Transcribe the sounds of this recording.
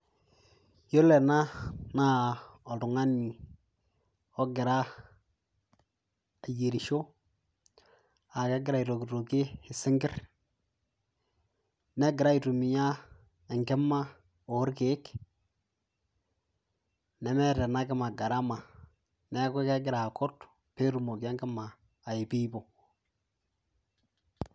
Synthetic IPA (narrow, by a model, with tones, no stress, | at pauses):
jo˦lɛ˨na˦na˦ɔ˨tʊ˨ŋa˦ni˨ | ɔ˦ɡɪ˨ɾa˦ | a˨je˨ɾi˨ʃo˦ | a˨ke˦ɡɪ˦ɾa˦˨i˨ɾo˨ki˨to˨kɪ˦ɪ˨sɪ˦ŋɡɪ˦ɾ | ne˦ɡɪ˨ɾa˦i˨tu˨mi˨ja˦ | i˨ŋke˦mːa˦ | o˨˦ɾke˦k | ne˨me˦ɾe˨na˦ki˦ma˨ɡa˨ɾa˦ma˨ | ne˦ke˦ke˦ɡɪ˨ɾa˨ko˦t | pe˦ɾu˦˨mo˨ka˦ki˦maː˨ | ji˨pi˦bo˨